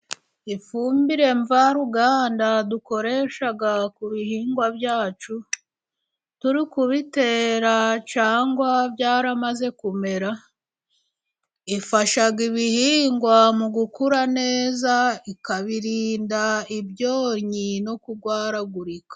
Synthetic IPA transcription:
ifuːmbiɾe̞ɱvaɾuɡaːndaduko̞ɾe̞ʃaɡakuβihiːŋɡwabjaːt͡ʃu | tuɾikuβite̞ːɾat͡ʃaːŋɡwabjaːɾamaze̞kume̞ɾa | ifaʃaɡiβihiːŋɡwamuɡukuɾane̞ːzaikaβiɾiːndaibjo̞ːɾɲino̞kuɡwaːɾaɡuɾikḁ

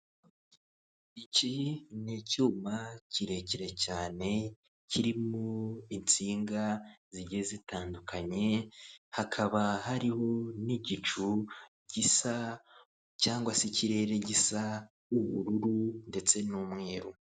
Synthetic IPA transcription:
icinicuːmaciɾe̞ciɾe̞caːne̞ | ciɾimuint͡siːŋɡaziɟe̞zitaːndukʰaɲe̞hakʰaβahaɾiho̞niɟit͡ʃu | ɟisa | caːŋɡwasiciɾe̞ːɾe̞ɟisa | uβuɾuɾunde̞t͡se̞nuːmŋe̞ːɾu

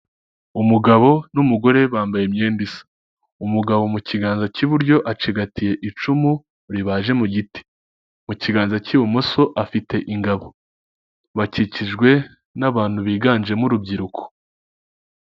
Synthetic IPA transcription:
umuɡaβo̞numuɡo̞ɾe̞βaːmbaje̞mɲeːndisḁ | umuɡaβo̞muciɡaːnzaciβuɾɟo̞ʔat͡ʃiɡatije̞ʔit͡ʃumu | ɾiβaːʒe̞muɟiti̥ | muciɡaːnzaciwomoso̞ʔafite̞ʔiŋɡaβo̞ | βaciciʒɡwe̞ | naβaːn̥huβiːɡaːnd͡ʒe̞muɾubɟiɾukʰo̥

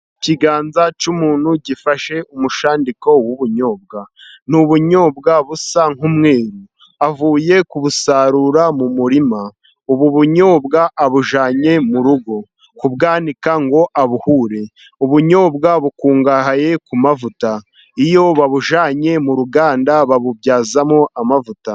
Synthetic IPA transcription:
ciɡaːnzat͡ʃumuːn̥huɟifaʃe̞ʔumuʃaːndikowuβuɲo̞ːb̚ɡan̥uβuɲo̞ːbɡaβusaŋhumŋe̞ːɾu | avuːje̞kuβusaɾuːɾamumuɾima | uβuβuɲo̞ːbɡaʔːβuʒaːɲe̞muɾuɡo̞ | kubɡaːnikaŋɡo̞ʔaβuhuːɾe̞ | uβuɲo̞ːbɡaβukuːŋɡaɦaje̞kumavuta | ijo̞βaβuʒaːɲe̞muɾuɡaːndaβaβubɟaːzamoʔamavuta

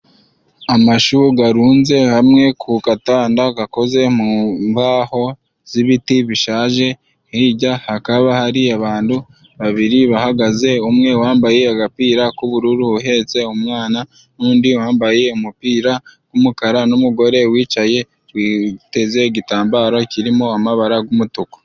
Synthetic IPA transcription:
amaʃuɡaɾuːnze̞hamŋe̞kʰukataːndaɡako̞ze̞mumvaho̞ | z̥iβitiβiʃaːʒe̞ | hiɟahakaβahaɾiaβaːndu | βaβiɾiβahaɡaze̞umŋe̞waːmbajeaɡapiːɾakuβuɾuɾuuɦe̞t͡se̞umŋaːna | nuːndiwaːmbaje̞umupiːɾaɡ̥umukaɾanumuɡo̞ɾe̞wiːt͡ʃaje̞ | wite̞ze̞ɟitaːmbaːɾo̞ciɾimoamaβaɾaɡumutuko̥

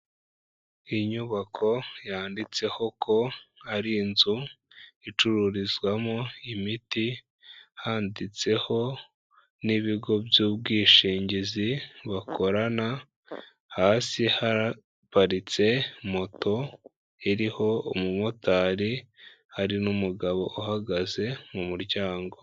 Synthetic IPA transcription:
iɲuβakʰo̞jaːndit͡se̞ho̞kʰo̞aɾinzu | it͡ʃuɾuɾizɡwamoimiti | haːndit͡se̞ho̞ | niβiɡo̞bjuːbɡiːʃiːɲɟiziβakʰo̞ɾana | haːsihaɾa | paɾit͡se̞mo̞to̞ | eɾiho̞umumotaːɾi | haɾinumuɡaβo̞ʔuhaɡaze̞mumuɾɟaːŋɡo̞

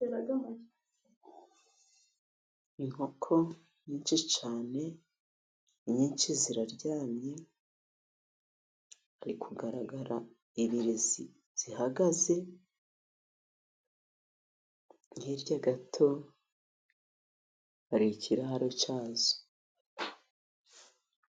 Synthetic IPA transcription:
eβaɡama | iŋ̥ho̞kʰo̞ | ɲiːnt͡ʃit͡ʃaːne̞ | ɲiːnt͡ʃiziɾaɾɟaːmɲe̞ | aɾikʰuɡaɾaɡaɾa | iβiɾizi | z̥ihaɡaze̞ | ŋheɾɟaɡatʰo̞ | aɾicʰiɾahaɾot͡ʃaːzo̥

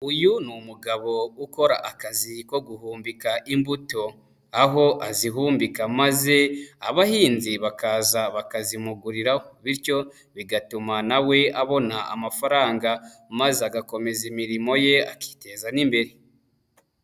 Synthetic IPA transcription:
ujunumuɡaβo̞uko̞ɾa̰ʔakaziko̞ɡuhuːmbikaʔimbuto̞ | aɦo̞ʔaziɦuːmbikamaze̞a̰βahiːnziβakazaβakazimuɡuɾiɾahoβiɾco̞ | βiɡatumanawe̞aβo̞naa̰mafaɾaːŋɡa | mazeaɡako̞me̞zimiɾimo̞je̞a̰ki̥te̞zanimbe̞ɾi

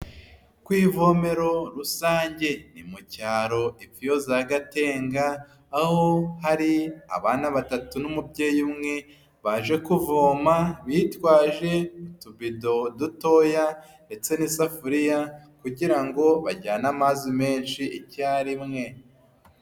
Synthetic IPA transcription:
kwiːvo̞me̞ɾo̞ɾusaːɲɟe̞nimucaːɾo̞ifijo̞zaɡate̞ːŋɡaː | ho̞haɾia̰βanaβatatunumubɟe̞ːjumŋe̞ | βaʒe̞kuvoːmaβitwaːʒe̞mutubido̞duto̞ja | nde̞t͡se̞nisafuɾijakuɟiɾaŋɡo̞βa̰ɟanamazime̞ːnʃiicaɾimŋe̞

